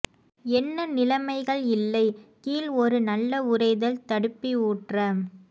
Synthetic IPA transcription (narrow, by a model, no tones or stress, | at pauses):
ɛnːɐnɪlɐmɐɪɣɐɭɪlːɐɪkiːlɔɾɯnɐlːɐʊɾɐɪðɐlt̪ɐɽɯpːiuːʈrɐm